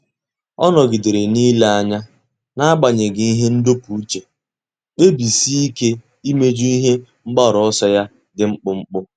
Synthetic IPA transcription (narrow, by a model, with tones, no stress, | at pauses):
ɔ˦nɔ˨ɡi˨de˨ɾe˨niː˦le˦a˦ɲa˦ | na˦a˦ɡ͡ba˨ɲe˨ɡɪ˦i˦ɦe˦n̩˦do˦pu˨u˦t͡ʃe˨ | e˦bi˨si˦i˦ke˦ | i˦me˦d͡ʒu˦i˦ɦe˦ŋ͡m̩˦ɡ͡ba˦˨ɾɔ˨ɔ˦sɔ˦ja˦ | dɪ˨ŋ͡m̩˦k͡pʊ˦ŋ͡m̩˦k͡pʊ˦